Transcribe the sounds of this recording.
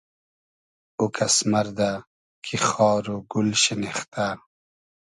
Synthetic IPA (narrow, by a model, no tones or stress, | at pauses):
ukʰɐsmɐɾd̪a | kʰixɑːɾoɡulɕineχt̪a